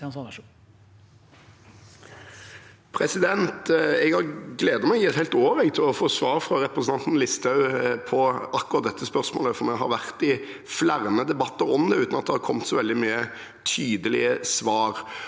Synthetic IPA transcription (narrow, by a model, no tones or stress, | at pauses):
pʰɾɛsɪd̪ɛnt̪ɛɡhɑɾɡleːd̪ɑmɛɡɛt̪hɛɪt̪oːʋəɾɛɡt̪ʰɪlɔfoːsʋɑːɾfʁɑɾɛpɾəsən̩ɑnt̪n̩lɪst̪ʰɑʉpʰɔɑkːʊɾɑt̪̚d̪ɛt̪ːəspœʁsmo̰ːləfɔɾmɛɡɦɑ̰ɾʋæʁt̪ɪ | flæʁməd̪ɛbɑt̪ːəɾɔmd̪ɛʉːt̪nɑt̪̚d̪ɛhɑɾkʰɔmt̪sɔʋɛld̪ɪmyːə | t̪ʰyːd̪əlɪ̰əsʋɑːɾ